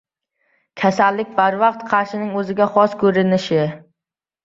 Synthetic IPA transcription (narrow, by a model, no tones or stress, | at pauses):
kʲʰasalːɪk̚ʲbaɾvɑqt̪qʰɑɾʃɪnɪŋɵzɪɡʲaχɒskʰɵɾɪnɪʃɪ